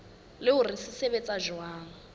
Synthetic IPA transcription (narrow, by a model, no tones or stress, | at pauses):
lɪʊrɪsɪsebet͡sʼaʒwaːŋ̩